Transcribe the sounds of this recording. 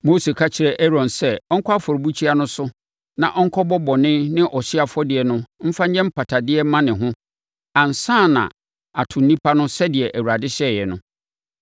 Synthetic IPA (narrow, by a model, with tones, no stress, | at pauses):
mo˦se˨kʰa˦t͡ɕʰɪ˨ɾɛ˨ʔɛ˦ɾɔ̃˨nsɛ˦ɔ˦ŋ̩˦kʰɔ˦a˦fɔ˨ɾbu˦t͡ɕʰi˦a˦nʊ̃˦sʊ˦ | nã˨ʔɔ̃˦ŋ̩˦kʰɔ˦bɔ˦bɔ˨nɪ̃˦nɪ̃˦ʔɔ˨ɕɪ˦a˦fɔ˦dɪ˨ɛ˨nʊ̃˦m̩˦fa˦ɲ˦ɲɛ̃˦m̩˦pʰa˨tʰa˨dɪ˦ɛ˦mã˦nɪ̃˨ɦʊ̃˦ | ã˨n̩˨sãː˦˨nã̰˨ | a˨tʰʊ˨n̩˦nĩ˦pʰa˦nʊ̃˦sɛ˦dɪ˨ɛ˨ʔæ˨wu˨ɾa˨dɪ˦ɕɛ˦˨jɛ˨nʊ̃˦